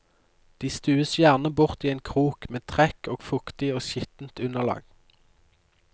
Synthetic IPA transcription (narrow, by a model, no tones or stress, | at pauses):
d̪̥iːst̪ʉːəsjæʁnəbʊʁt̪iːeːnkʰʁuːkmeːt̪ʰʁɛkoːɡ̥fʊkt̪ɪoːʃɪt̪n̩t̪ʉnəʁlɑ̰ːɡ̥